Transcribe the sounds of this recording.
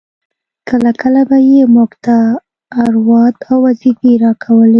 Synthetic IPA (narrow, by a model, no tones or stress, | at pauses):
kəlakʰəlabajemʊɡt̪aː | ɾwɑd̪awːazifiɾɑkʰawəl